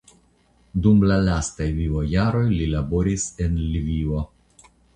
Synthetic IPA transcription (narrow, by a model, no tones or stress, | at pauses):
dumlalastajvivojaɾo̞jlilabo̞ɾisenlivio